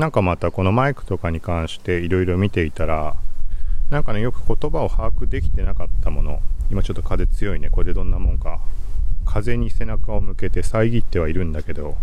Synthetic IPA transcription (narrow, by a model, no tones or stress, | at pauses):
nãŋkamat̪ako̞no̞maikɯ̟̥t̪o̞kaɲ̟ikãɰ̃ɕi̥t̪e̞iɾo̞iɾo̞mʲit̪e̞it̪aɾa | nãŋkane̞jo̞kɯ̟̥ko̞t̪o̞bao̞haːkɯ̟d̪e̞kʲi̥t̪e̞nakat̪ːamo̞no̞imat͡ɕot̪ːo̞kaze̞t͡sɨjo̞ine̞ko̞ɾed̪e̞d̪õ̞nːamõ̞ŋka | kʰaze̞ɲ̟ise̞nakao̞mɯ̟ke̞t̪e̞saiɡʲit̪ːe̞β̞aiɾɯ̟̃nd̪ake̞d̪o̞